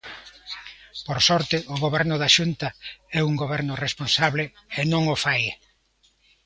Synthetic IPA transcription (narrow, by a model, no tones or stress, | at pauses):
poɾsɔɾt̪ɪʔʊɣoβɛɾnʊðaʃunt̪aɛuŋɡoβɛɾnʊresponsaβlɪ | enõŋʊfaje